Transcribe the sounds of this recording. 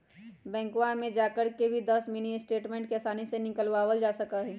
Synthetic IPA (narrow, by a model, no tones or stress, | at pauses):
bɛ̃ːŋkwamẽd͡ʒaːkəɾkebʱid̪ɐsminiɪsʈeːʈmẽːɳʈ̚keɐsaːnisenɪkəlʋaːwəld͡ʒaːsɐkaɦɛː